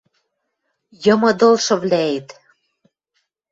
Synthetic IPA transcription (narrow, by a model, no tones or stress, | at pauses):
jɤ̆mɤ̆d̪olʃɤ̆βlʲæet̪